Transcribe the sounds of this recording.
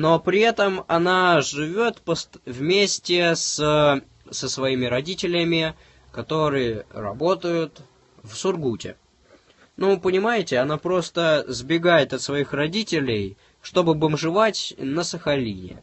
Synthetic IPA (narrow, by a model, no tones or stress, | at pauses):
no̞pɾʲɪɛt̪əmɐnaʐɨvʲot̪pəst̪vmʲesʲtʲɪsə | səsvɐimʲɪɾɐdʲitʲɪlʲɪmʲɪ | kɐt̪o̞ɾɨjərɐ̰bo̞t̪əjʊt̪ | vsʊrɡutʲɪ̰ | nupənʲɪmajɪtʲɪɐnapɾo̞st̪əzbʲɪɡajɪt̪ɐt̪svɐixrɐdʲitʲɪlʲɪj | ʂt̪o̞bɨbəmʐɨvatʲnəsəxɐlʲinʲɪ̰